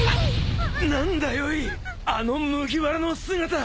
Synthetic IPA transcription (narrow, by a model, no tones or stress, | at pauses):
nãnd̪ajoi | ano̞mɯ̟ɡʲiβaɾano̞sɨɡat̪a